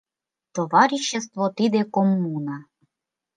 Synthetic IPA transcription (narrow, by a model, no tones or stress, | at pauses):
t̪ovɑɾʲiɕːes̬t̪vot̪id̪ekomːunɑ